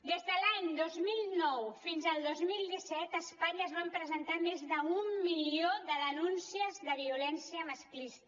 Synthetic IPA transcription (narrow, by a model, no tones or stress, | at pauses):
d̪ezðəlaɲd̪ozmilˠnɔwfinzəlˠd̪ozmilˠd̪isɛt̪əspaɲəːzβ̞ampɾəzənt̪amezðəumːilioðəðənunsiəzðəβiulɛnsiəməsklist̪